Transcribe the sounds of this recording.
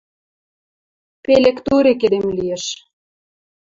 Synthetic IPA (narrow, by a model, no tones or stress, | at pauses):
pelekt̪uɾek̬ed̪emlijeʃ